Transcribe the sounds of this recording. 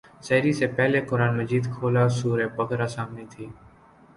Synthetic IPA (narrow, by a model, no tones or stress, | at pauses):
səɦɾiːseːpɛɦleːkʊɾaːnməd͡ʒiːd̪kʰoːlaːsuːɾeːpəɡʱɾaːsaːmneːt̪ʰiː